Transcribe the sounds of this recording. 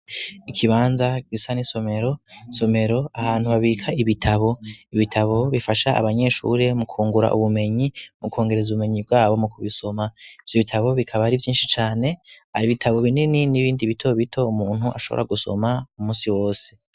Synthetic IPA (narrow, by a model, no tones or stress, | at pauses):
ikʰiβaːnzaɡ̥isaniso̞me̞ɾo̞so̞me̞ɾo̞ahaːn̥huβaβiːkʰaiβitʰaβo̞iβitʰaβo̞βifaʃaʔa̰βaɲe̞ʃṵɾe̞mukʰuːŋɡuɾa̰ʔṵβume̞ɲimuko̞ːŋɡe̞ɾe̞zuβume̞ɲibɡaːβo̞mukuβiso̞maivjoβitʰaβo̞βikʰaβaɾivjiːnʃit͡ʃaːne̞ha̰ɾiβitʰaβo̞βinininiβiːndiβitʰo̞βitʰo̞umuːn̥huʔa̰ʃo̞βo̰ɾa̰ɡuso̞̰maumũːnsiwoːse̞̥